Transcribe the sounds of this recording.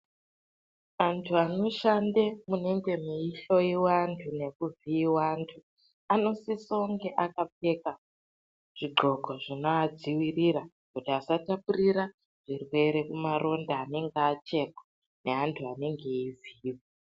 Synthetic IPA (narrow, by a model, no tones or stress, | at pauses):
antʰuano̞ʃande̞mune̞ŋɡe̞miiɬo̞iwantʰune̞kuviwantʰu | ano̞sisoŋɡe̞ʔakap͡fe̞ka | ʐ̥iɡ͡ǃʱo̞ɡʱo̞ʐinoad͡ziwirira | kutiasatapuriɾa | ʐ̥irwe̞ɾe̞kumarʔo̞ndaːne̞ŋɡːt͡ʃe̞kḁ | ne̞antʰuane̞ŋɡe̞iziːwo